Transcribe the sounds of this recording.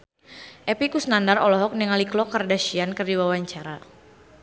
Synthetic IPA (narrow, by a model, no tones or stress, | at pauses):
ʔɛpikusnandarɔlɔɦɔk̚niŋaliklɔkardaʃiankərdiwawaɲt͡ʃaɾa